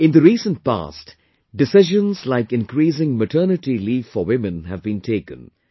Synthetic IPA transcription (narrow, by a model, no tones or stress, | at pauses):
ɪ̃nd̪əɾiːsə̃nt̚pa̰ːst | ɖɪsɪʒə̃nzlaɪkɪ̃nkɾiːs̬ɪ̃ŋməʈʰɜːnɨʈiliːffɔwɪ̃mɨ̃nɦævbĩntʰeɪkə̰̃n